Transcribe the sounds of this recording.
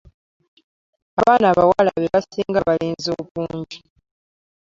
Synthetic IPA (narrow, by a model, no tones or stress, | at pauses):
aβaːnaːβawalaβeβasiːŋɡaβaleːnzoːβuːɲɟi